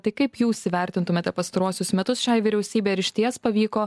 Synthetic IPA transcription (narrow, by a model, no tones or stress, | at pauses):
t̪ɐɪkɐɪpjuːsʲɪʋʲɛˑɾʲt̪ʲɪnt̪ʊmʲeːt̪ʲɛpɐst̪ɐɾuɔsʲʊsmʲɛt̪ʊsʃʲɑːjʋʲiɾʲɛʊsʲiːbʲeːɐɾʲɪʃʲt̪ʲiɛspɐʋʲiːkoː